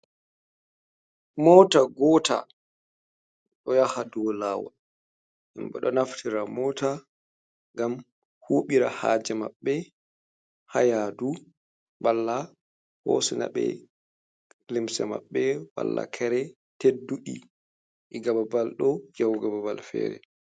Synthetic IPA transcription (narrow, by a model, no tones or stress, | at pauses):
mɔtaɡɔːta̰ | ɗɔjahadɔlaːwɔ̰ | ʔimɓɛ̰ɗɔnaftʰiɾamɔta | ŋɡam | huɓiɾaha̰ːd͡ʒɛmaɓːɛ | hajadu | walːa | hosina̰ɓɛ̰ | limsɛma̰ɓːɛwa̰lːa̰kʰɛɾɛ | tedːuɗi | ʔiɡababalɗɔɡawɡababalfɛ̰ːɾɛ̰